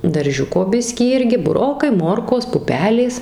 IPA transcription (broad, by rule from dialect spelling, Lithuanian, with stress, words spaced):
dɐrʲˈʒʲʊkoː ˈbʲɪsʲkʲiː ˈɪrʲɡʲɪ bʊˈroːkɐɪ ˈmoːrkoːs ˈpʊpʲɛlʲeːs